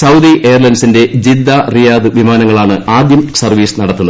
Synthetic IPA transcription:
sɐwd̪iʔejɐrlɐnsinde̞d͡ʑid̪ːarijaːd̪ɨʋimaːnɐŋːɐɭaːɳɨaːd̪jɐmsɐrʋiːsɨnɐɽɐt̪ːunɐð

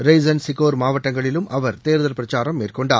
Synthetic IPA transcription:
ɾɐɪzɐnsɪkoːɾmaːʋɐʈːɐŋɡɐɭɪlɯmʔɐʋɐɾt̪eːɾðɐlpɪɾɐt͡ʃaːɾɐmːeːrkɔɳɖa̰ː

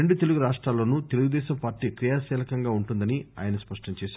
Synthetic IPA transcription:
eɳɖut̪e̞luɡuɾaːʂʈɾaːlːoːnuːt̪e̞luɡud̪ɛːʃɐmpaːɾʈiːkɾijaːsɛːlɐkɐŋɡaːuɳʈund̪ɐnia̰ːjɐnɐspɐʂʈɐɲt͡ʃɛːʃaː

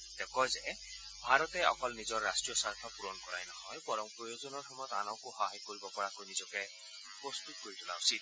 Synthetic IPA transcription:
t̪ekɔjze | bʱaɾɔt̪ɛɔ̰kɔlnizɔɾːasʈɹijɔsaɾt̪ʰɔpuɾɔnkɔɾajnɔhɔjpɔɾɔmpɾɔjozɔnɔɾxɔmɔjɔt̪a̰nɔwkuhɔɦajkoɾibɔpɔɾakojnizɔkɛ | pɾɔst̪ut̪̚koɾit̪ʰulausid̪̚

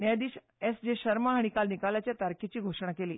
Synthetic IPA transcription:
njad̪iːɕ | esd͡ʑeɕəɾmaɦaɽ̃ikalnikalat͡ɕjat̪aɾkʰet͡ɕiːɡʱoʂɳ̃akeliː

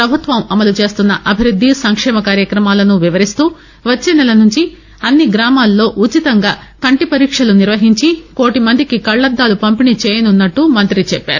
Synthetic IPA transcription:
pɾɐbʱut̪ʋɐmɐmɐlut͡ʃe̞ːst̪unːɐʔɐbʱiɾud̪ʱːisɐŋkʂɛːmɐkaːɾjɐkɾɐmaːlɐnuʋiʋɐɾist̪uː | ʋɐt͡ʃːeːnɛlɐnuɲt͡ʃi | ɐnːiɡɾaːmaːlːo̞ːʔut͡ʃit̪ɐŋɡaːkɐɳʈipɐɾiːkʂɐluniɾʋɐɦiɲt͡ʃiko̞ːʈimɐnd̪ʱikikɐɭːɐd̪ːaːlupɐmpinit͡ʃeːjɐnunːɐʈːumɐnt̪ɾit͡ʃɛpːa̰ːɾu

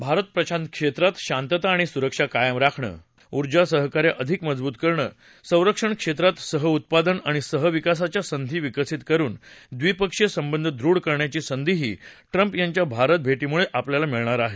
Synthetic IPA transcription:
bʱaɾət̪̚pɾəɕant̪̚kʂet̪ɾat̪ɕant̪ət̪aːɽ̃isuɾəkʂakajəmɾakʰɳə̰ː | uɾd͡ʑasəɦəkaɾjaʔəd̪ʱikməd͡zbuːt̪kəɾɳə̰ː | sə̃w̃ɾəkʂəɳkʂet̪ɾat̪səɦəut̪̚pad̪ənaɽ̃isəɦəʋikas̬at͡ɕjasənd̪ʱiːʋikəsit̪kəɾuːnd̪ʋipəkʂjəsəmbənd̪ʱəd̪ɾuɽkəɾɳjat͡ɕiːsənd̪ʱiɦiː | ʈɾəmpjaɲt͡ɕjabʱaɾət̪̚bʱeʈimuɭeʔapljalamiɭɳaɾaɦe

